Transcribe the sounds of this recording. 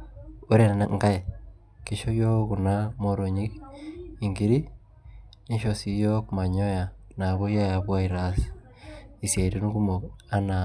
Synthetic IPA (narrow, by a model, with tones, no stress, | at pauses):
o˦ɾe˨n˨na˨ŋɡa˦e˨ | ke˨ʃo˦jo˦ku˨na˦mo˦ɾo˨ɲi˦ki˨ŋɡi˨ɾi˦ | ɲe˦ʃo˨si˨jo˦kma˨ɲo˦ja˨ | na˨ɣo˦ja˦ja˨βwa˦i˨ɾa˦si̥ | i˨se˨ɾe˦nu˦ku˦mo˨a˦na˨